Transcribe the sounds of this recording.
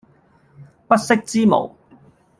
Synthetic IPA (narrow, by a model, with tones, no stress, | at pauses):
pɐ˥t̚sɪ˥k̚t͡siː˥mo̰˨˩w